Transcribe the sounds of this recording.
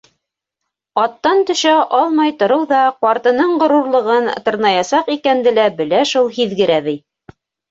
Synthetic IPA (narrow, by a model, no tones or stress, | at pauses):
ɑt̪ːɑnt̪ɵ̆ʃæʔɑlˠmɑjt̪ŏɾɤwðɑqwɑɾt̪ɤ̆nɤɴʁŏɾuɾlˠɤ̆ʁɤnt̪ɤ̆ɾnɑjɑsɑqikænd̪ɘ̆læbɘ̆læʃulˠɦiðɡɘ̆ɾæβɘj